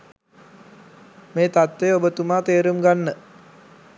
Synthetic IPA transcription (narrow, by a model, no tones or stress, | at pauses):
meːt̪at̪ʋeobət̪umaːt̪eːɾumɡanːə